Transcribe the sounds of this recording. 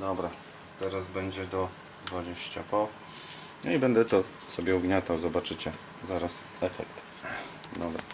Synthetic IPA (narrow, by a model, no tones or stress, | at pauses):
d̪ɔbɾa | t̪ɛɾazbɛɲd͡ʑɛd̪ɔ | d̪vad͡ʑeɕt͡ɕa̰pɔ | nɔibɛnd̪ɛt̪ɔ | sɔbʲjɛuɡɲat̪awzɔbat͡ʂɘt͡ɕɛ | zaɾas | ɛfɛ̰kt̪ | d̪ɔbɾa̰